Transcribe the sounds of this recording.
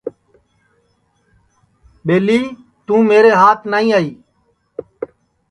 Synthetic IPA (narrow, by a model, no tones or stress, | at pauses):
ɓeːliː | t̪ũːmeːɾeːɦaːt̪ʰnaːĩːaːiː